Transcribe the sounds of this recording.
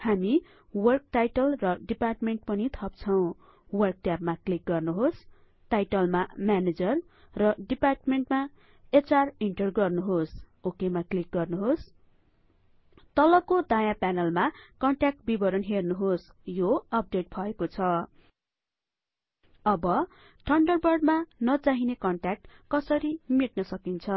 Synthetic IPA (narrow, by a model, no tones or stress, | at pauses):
hami | wʌrk̚ʈajʈʌlrʌɖiparʈmeɳʈ̚pʌnit̪ʰʌp̚t͡sʰʌw̃ | wʌrk̚ʈjap̚maklik̚ɡʌrnuɦos | ʈajʈʌlmamjaned͡zʌrː | ʌɖiparʈmeɳʈma | et͡sariɳʈʌrɡʌrnuɦosokemaklik̚ɡʌrnuɦos | t̪ʌlʌkod̪ajapanʌlmakʌɳʈak̚ʈ̚bibʌɾʌnɦernuɦos | joʌp̚ɖeʈ̚bʱʌekot͡sʰʌ | ʌbʌ | ʈʌɳɖʌrbʌrɖmanʌt͡saɦinekʌɳʈak̚ʈkʌsʌɾimiʈ̚nʌsʌkint͡sʰʌ